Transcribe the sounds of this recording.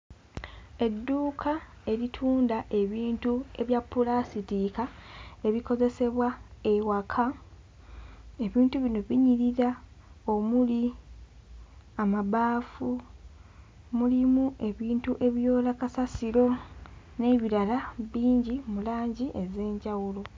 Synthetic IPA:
e̞dːuːkʰa | e̞ɾitʰuːndaʔe̞βiːntue̞βjapːulasitikae̞βiko̞ze̞se̞βwae̞wakʰa | e̞βiːntuβino̞βiɲiɾiɾa | o̞muli | amaβaːfu | mulimue̞βiːntuʔe̞βjo̞ːlakasasiɾo̞ | ne̞βiɾalaβiːɲɟimulaːɲɟiʔe̞ze̞ːɲɟawulo̞

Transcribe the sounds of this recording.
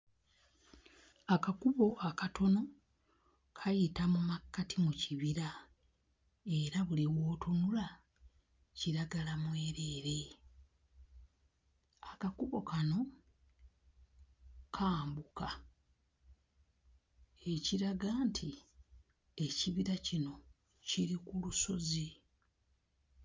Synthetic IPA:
akakuβo̞ʔakatʰo̞no̞ | kʰajitamumakːatimuciβiɾa | e̞ɾaβuliwo̞ːtonula | ciɾaɡalamwe̞ːɾeːɾe̞ | akakuβo̞kano̞ | kʰaːmbuka | e̞ciɾaɡaːntʰi | e̞ciβiɾacino̞ | ciɾikuluso̞zi

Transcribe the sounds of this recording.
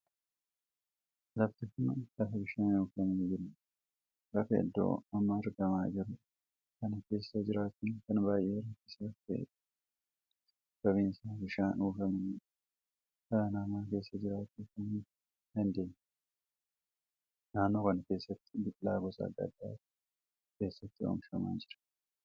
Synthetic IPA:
lɐft̪ɪkʊnlɐfɐbɪʃaːnuːfɐmɐnd͡ʒɪɾ | lɐfɐɐ̰d̪ːo̰ːɐmːaɐɾɡɐmaːd͡ʒɪɾʊ | kɐnɐke̞ːsːɐd͡ʒɪɾaːt̪ːɪnkɐnbaːjʔe̞ːɾɐt̪ːɪ̥slɐfḛː | b̥ɐβiːnsaːbɪʃaːnuːfɐmɐn | kɐɾɐnaːmaːke̞ːsːɐd͡ʒɪɾaːt̪ːɪkɐn | d̪ɐnd̪e̞ːɲː | naːnːo̞ːkɐnɐke̞ːsːɐt̪ːɪ̥bɪtʼlaːɡɔsɐ̰ːd̪ːɐ̰d̪ːa̰ːt | ke̞ːsːɐt̪ːɪo̰ːmfɐma̰ːnd͡ʒɪɾɐ̥

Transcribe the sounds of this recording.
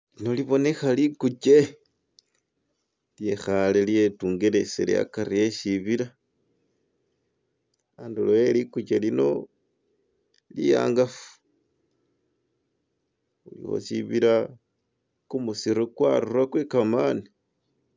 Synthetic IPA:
lino̞liβo̞ne̞xalikut͡ʃe | lje̞xaleljetuːŋɡeɾeselḛa̰kaɾieʃiβiɾa | aːndulojelikut͡ʃelino̞̰ | lija̰ːŋɡafu̥ | ulḭwo̰siβiɾa | kumusiɾokwaɾuɾwakwekamani

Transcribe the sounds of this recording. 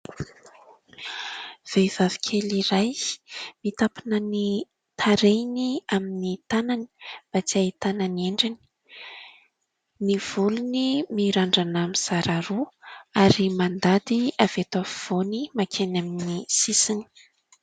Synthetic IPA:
v̥ejvavi̥kʲʰeliɾajmit̪apinəni | t̪ʰaɾejniaminit̪anani̥b̥at͡siait̪ananeɳɖ͡ʐini̥ | niv̥ulunimiɾaɳɖ͡ʐanamiz̥aɾaɾuaɾimand̪ad̪iav̥et̪afiv̥onimakʰenaminisisini̥

